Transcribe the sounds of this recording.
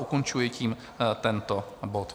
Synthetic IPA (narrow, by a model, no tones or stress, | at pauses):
ukont͡ʃujɛciːm | t̪ɛnt̪obot̪